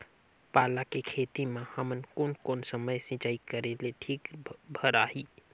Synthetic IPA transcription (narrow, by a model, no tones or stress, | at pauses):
palakekʰet̪imehəmənkonkonsəməjsĩt͡ʃaikəɾeleʈʰikbʱəɾaɦi